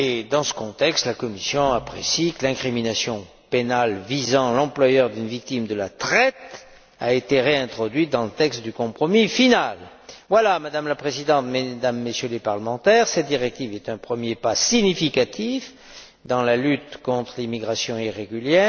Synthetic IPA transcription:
ed̪ɑ̃sə̥kɔ̃t̪ɛkst̪lakɔmisjɔ̃apχesikəlɛ̃kχiminasjɔ̃ | penalvizɑ̃lɑ̃plwajœʁd̪ynvik̚t̪imd̪əlat̪χɛt̪ | a̰et̪eʁeɛ̃t̪χɔd̪ɥid̪ɑ̃lət̪ɛkst̪̚d̪ykɔ̃pχɔmifinal | vwalamad̪amlapχezid̪ɑ̃t̪med̪amːəsjølepaʁləmɑ̃t̪ɛʁsɛt̪̚d̪iʁɛk̚t̪ivɛt̪ɛ̃pχəmjepasiɲifikat̪if | d̪ɑ̃lalyt̪kɔ̃t̪χəlimiɡʁasjɔ̃iʁeɡyljɛːʁ

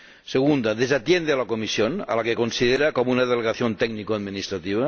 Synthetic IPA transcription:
seɣ̞und̪aðezat̪jend̪ealakomisjona̰lakekonsið̞eɾakomounaðeleɣaθjont̪ɛɡnikoad̪minist̪ɾat̪iβ̞a

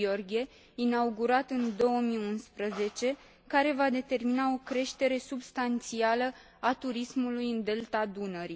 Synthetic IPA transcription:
orɡʲie̞ | inauɡuɾat̪ɨnd̪o̞wəmiunspɾəze̞t͡ʃe̞ | kaɾe̞vad̪e̞t̪e̞rminao̞kɾe̞ʃt̪e̞ɾe̞subst̪ant̪sialə | at̪uɾismulujɨnd̪e̞lt̪ad̪unəɾi

